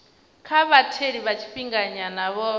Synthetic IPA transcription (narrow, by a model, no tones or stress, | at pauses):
kʰaβatʰeɺiβat͡ʃʰi̥ɸiŋɡaɲanaβɔ